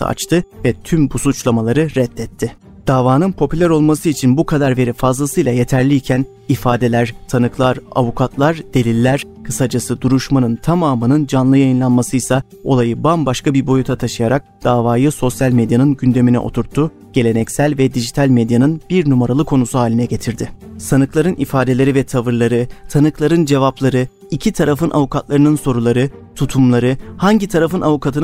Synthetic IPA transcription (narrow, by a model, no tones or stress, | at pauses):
sɯ̰a̰t͡ʃt̪ʰɯvɛt̪ʰymbusut͡ʃlˠamalˠaɾɯɾɛt̪ːɛt̪ʰːɪ | d̪̥aːvaːnɯnpʰo̞pʰylʲæɾo̞lˠmasɯit͡ʃʰinbukʰad̪aɾve̞ɾifazlˠasɯjlˠaje̞t̪ʰæɾlʲiːcʰæn | ifaːd̪e̞lʲæɾ̥t̪ʰanɯklˠaɾa̰vukʰat̪lˠaɾd̪̥e̞lʲilʲːæɾ̥kʰɯsad͡ʒasɯd̪uɾuʃmanɯnt̪ʰamaːmɯnɯnd͡ʒanlˠɯjajɯnlˠanmasɯjsa | o̞lˠajɯbambaʃkʰabiɾbo̞jut̪ʰat̪ʰaʃɯjaɾak̚d̪̥aːvaːjɯso̞sjalʲmed̪janɯnɟynd̪e̞minɛ̰ʔo̞̰t̪ʰuɾt̪ʰːu | ɟ̥e̞lʲe̞nɛcsælʲvɛd̪iʒit̪ʰalʲmed̪janɯnb̥iɾnumaɾalˠɯkʰo̞nusuɦaːlʲinɛɟe̞t̪ʰiɾd̪ɪsanɯklˠaɾɯnifaːd̪elʲe̞ɾivɛt̪ʰavɯɾlˠaɾɯt̪ʰanɯklˠaɾɯnd͡ʒe̞vaplˠaɾɯ | icʰit̪ʰaɾafɯnʔa̰vukʰat̪lˠaɾɯnɯnso̞ɾulˠaɾɯt̪ʰut̪ʰumlˠaɾɯhaɲɟit̪ʰaɾafɯnavukʰat̪ʰɯn